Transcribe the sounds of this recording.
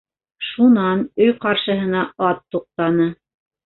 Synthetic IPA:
ʃunɑnɵjqɑɾʃɤ̆ɦɤ̆nɑɑt̪ːuq̚t̪ɑnɤ

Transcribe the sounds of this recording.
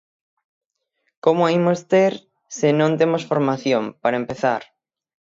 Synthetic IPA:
komʊaimost̪eɾ | sɪnõnt̪emosfoɾmaθjompaɾɐempeθa̰ɾ

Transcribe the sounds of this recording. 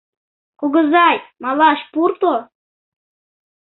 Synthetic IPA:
kuɡə̆zɑjmɑlˠɑʃpurt̪o

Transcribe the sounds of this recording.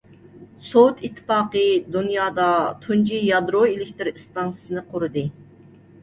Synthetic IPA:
sowt̪ʰit̪ʰːɨ̥pɑːqəd̪unjɑːd̪ɑt̪ʰund͡ʒijɑd̪ɾoelɪkʲt̪ʰɪɾɨst̪ɑnssɨnɨqʰʊɾɨd̪ɨ

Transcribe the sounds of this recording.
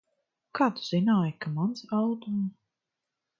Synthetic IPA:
kaːt̪u̥z̥inaːjkamansald̪um

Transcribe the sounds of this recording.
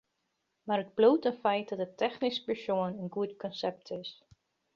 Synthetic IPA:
maːɾəd̚blowtənfɛjt̚dɑt̚ətɛχnispəɹsoənənɡutkɔnsɛp̚tʰɪs

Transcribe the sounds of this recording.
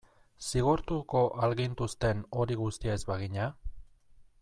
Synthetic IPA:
siɣ̞oɾt̪uko̞ʔalɣint̪ust̪e̞no̞ɾiɣust̪iaezβaɣiɲa

